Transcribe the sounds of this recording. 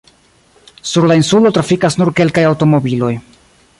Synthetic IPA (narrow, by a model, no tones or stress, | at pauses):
suɾlainsulo̞tɾafikasnuɾke̞lkajawto̞mo̞bilo̞j